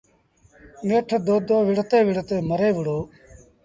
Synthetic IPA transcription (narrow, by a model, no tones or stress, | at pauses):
meʈʰd̪oːd̪ʱoːʋɪɽt̪eːʋɪɽt̪eːməɾeːʋəɽoː